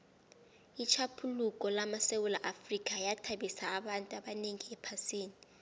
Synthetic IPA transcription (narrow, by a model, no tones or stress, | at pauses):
it͡ʃʰapʰulukʼɔlamasewulaʔafrikʼajatʰaɓisaːɓantʼuaɓaneŋiɛpʰasiːni